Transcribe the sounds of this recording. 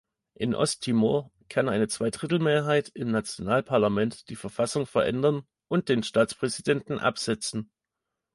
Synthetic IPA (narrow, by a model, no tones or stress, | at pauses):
ʔɪnʔɔ̰stʰimoɐ | kʰanʔaɪnət͡sv̥aɪdʁɪtl̩meːɐɦaɪtɪmnat͡sjonaːlpʰaɐlamɛntd̥iːfɛɐfasʊŋfɛɐʔɛ̰ndɐn | ʔʊnt̚d̥eːnʃtaːt͡spʁ̥ɛzidɛntn̩ʔa̰pz̥ɛt͡sn̩